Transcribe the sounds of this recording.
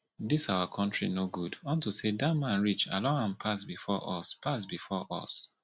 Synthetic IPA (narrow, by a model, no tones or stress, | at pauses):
disaʊakʰɔ̃ntɹḭnoɡudɔ̃ntusedatmãnɹit͡ʃa̰lɔ̃ŋãnpʰasbifɔʔɔspʰasbifɔʔɔ̰s